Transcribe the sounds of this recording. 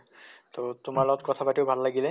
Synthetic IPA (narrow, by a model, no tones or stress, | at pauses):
totʊmaɹlɔɡɔtkɔtʰapatiʊbʱalːaɡilɛ